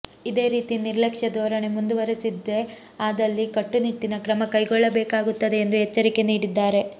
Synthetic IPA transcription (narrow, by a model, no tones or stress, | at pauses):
id̪e̞ːɾiːt̪iniɾlɐkʂɐd̪ɔːɾɐɳe̞mund̪uʋɐɾesid̪ːe̞ | aːd̪ɐlːikɐʈːuniʈːinɐkɾɐmɐkɐjɡɔɭːɐbɛːkaːɡut̪ːɐd̪e̞ːnd̪uɦɛt͡ʃːɐɾike̞niːɽid̪ːaːɾe̞